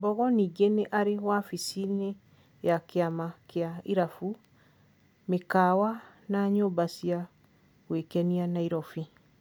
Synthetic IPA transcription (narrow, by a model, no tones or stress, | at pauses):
bɔɣɔniɡeneʔaɾewafisine | jakeamakeaiɾafu | mekawa | naɲobasia | ɣwekɛnianaiɾɔfi